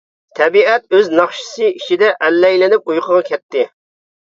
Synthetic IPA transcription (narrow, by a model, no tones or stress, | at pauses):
t̪ʰɛbiɛt̪̚øznɑχʃɨ̥sɨit͡ʃʰid̪ɛʔɛlːɛjlɪnɪp̚ujqʰəʁɑkʲɛt̪ːɪ